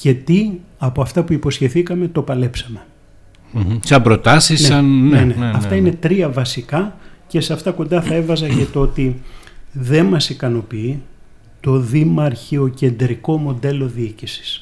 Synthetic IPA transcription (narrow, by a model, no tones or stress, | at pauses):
ce̞t̪iɐpoɐft̪ɐpuipo̞sçe̞θikɐme̞t̪o̞pɐlepsɐme̞ | sɐbɾo̞t̪ɐsisneɐnnene̞ɐft̪ɐine̞t̪ɾiɐvɐsikɐce̞sɐft̪ɐko̞nd̪ɐθɐe̞vɐzɐʝɐt̪oot̪i | ðe̞nmɐsikɐno̞pii | t̪o̞ðimɐɾçio̞ce̞nd̪ɾiko̞mo̞d̪e̞lo̞ðiicisi̥s